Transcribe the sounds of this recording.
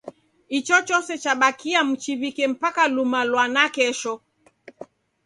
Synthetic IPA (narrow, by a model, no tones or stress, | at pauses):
it͡ʃɔt͡ʃɔsɛt͡ʃaɓakiam̩t͡ʃivikɛm̩pakalumalwanakɛʃɔ